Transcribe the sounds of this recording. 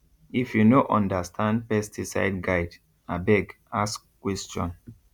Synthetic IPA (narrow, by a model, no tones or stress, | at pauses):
ifjunoʔɔ̃ndastʰãnd̚pɛstʰisa̰ɪdɡaɪd | abɛɡ | askːwɛst͡ʃɔ̰̃n